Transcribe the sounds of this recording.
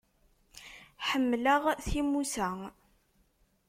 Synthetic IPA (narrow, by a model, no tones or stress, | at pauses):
ħəmːləʁθimusæ